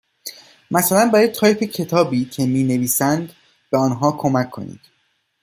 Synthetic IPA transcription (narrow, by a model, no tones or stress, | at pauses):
mæsælænbæɾɒj̪̚t̪ʰɒːjpʰecʰe̞t̪ʰɒːbiːcʰe̞miːne̞viːsænd̪̥ | b̥eɒːnɦɒːkʰo̞mæcʰːo̞̰nḭːd̪̥